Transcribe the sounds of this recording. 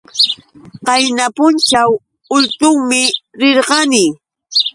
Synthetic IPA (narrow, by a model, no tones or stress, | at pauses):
qɑjnapʊnt͡ʃaw | ʊlt̪ʊŋmɪɾɪɾɢɑnɪ